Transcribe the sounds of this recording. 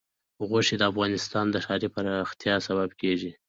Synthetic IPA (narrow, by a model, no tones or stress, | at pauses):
ɣoʃed̪əafɣɑnɪst̪ɑnd̪əʃɑɾipəɾaxt̪jɑsababkeʒi